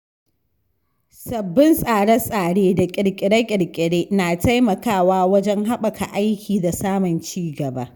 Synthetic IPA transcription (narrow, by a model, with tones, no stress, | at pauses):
sɐ˨bːɪ˦nsʼaː˨ɽɐ˦sʼaː˨ɽeː˦da˨kʲʼɪ˨ɽkʲʼɪ˨ɽɐ˦kʲʼɪ˨ɽkʲʼɪ˨ɽeː˦naː˨ta˦jmɐ˨kaː˦˨waː˦wɐ˦d͡ʒɛ˦ŋɦa˦ɓɐ˨kʰa̰˨ʔa˦jkʲiː˨da˨saː˦mʊ˨nt͡ʃiː˦ɡɐ˨ba̰˦